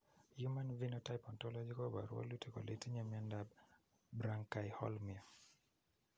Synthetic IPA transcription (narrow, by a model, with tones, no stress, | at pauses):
ju˦manvi˦nɔta˦jpɔ˨ntɔlad͡ʒi˦koba̰˨ɾwɔ̰˦lu˦tiko̰˨le˦ti˦ɲa˦miandab | bɾa˦ŋka˨jhɔ̰˦lmi˨ɔ